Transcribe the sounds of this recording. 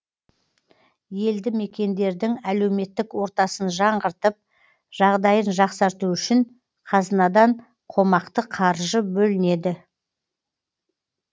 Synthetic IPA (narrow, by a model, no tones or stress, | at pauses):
je̞ld̪ɪme̞kʲe̞nd̪e̞ɾd̪ɪŋæle̞wme̞t̪ːɪkwo̞ɾt̪ɑsənʒɑɴʁəɾt̪əp̚ | ʒ̥ɑʁd̪ɑjənʒɑqsɑɾt̪uʏʃɪn | qʰɑzənɑd̪ɑɴ | qʰo̞mɑqt̪əqʰɑɾʒəbɵlɪne̞d̪ɪ